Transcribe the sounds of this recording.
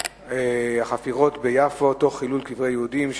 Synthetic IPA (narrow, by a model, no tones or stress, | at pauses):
eaχafiʁo̞t̪bejafoto̞χːilulkivʁejeudimʃ